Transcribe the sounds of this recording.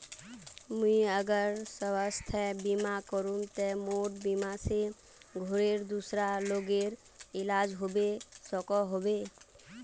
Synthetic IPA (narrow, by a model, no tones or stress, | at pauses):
muiəɡəɾsəwəst̪ʰɛbimakɔɾũnt̪ɛmoʈbimase | ɡʱoɾeɾd̪usɾaloɡeɾ | ɪlad͡ʒɦobesɔkɔɦobe